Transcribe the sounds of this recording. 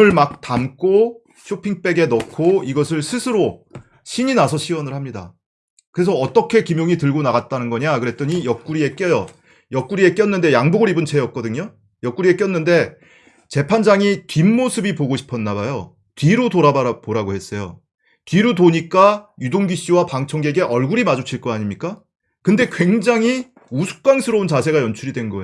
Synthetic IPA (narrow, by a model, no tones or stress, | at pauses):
ɯɭmak̚tamk͈ʰo | ɕʰopʰiŋp͈e̞ɡe̞nʌkʰoiɡʌs̬ʰɯɭsʰɯsʰɯɾo | ɕʰiɲinasʰʌɕʰiwʌnɯɭhamɲida̰ | kɯɾesʰʌʌt͈ʌkʰe̞kimjoŋitɯɭɡonaɣat̚t͈anɯnɡʌɲakɯɾe̞t͈ʌɲijʌk̚k͈uɾie̞k͈jʌjʌ | jʌk͈uɾie̞k͈jʌnːɯnde̞jaŋbuɡɯɾibɯnt͡ɕʰe̞jʌk̚k͈ʌdɯɲo | jʌk͈uɾie̞k͈jʌnːɯnde̞ | t͡ɕe̞pʰand͡ʑaŋikimːosʰɯbipoɡoɕʰi̥pʰʌnːabajo | tɥiɾutoɾabapoɾaɡoɦe̞s͈ʌjo | tiɾutoɲik͈ajudoŋɡiɕ͈iwapaŋt͡ɕʰʌŋɡeɡe̞ʔʌɭɡuɾimad͡ʑot͡ɕʰiɭk͈ʌaɲimɲik͈a | kɯnde̞kweŋd͡ʑaŋɦi | usʰu̥k̚k͈waŋsʰɯɾʌunt͡ɕasʰe̞ɡajʌnt͡ɕʰuɾidwe̞nɡʌe